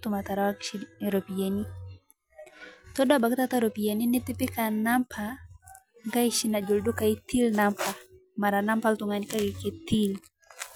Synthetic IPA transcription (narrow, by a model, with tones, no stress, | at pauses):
t̪ʊma˨t̪a˨ɾa˨wa˦kʃiɾo˨pi˨je˨ni˦ | t̪ɔ˦da˦ba˨kt̪a˦t̪a˦ɾo˨pi˨je˨ni˦nɪ˦t̪ɪ˦pɪ˦ka˨na˦mpʰa | ŋɡa˦iʃi˦na˨d͡ʒo˨ldu˦ka˨i˦t̪ʰi˦lnampʰa | ma˨ɾana˦mpa˦lt̪ʊŋa˨nɪ˦ka˦ɡɪ˨ket̪i˦l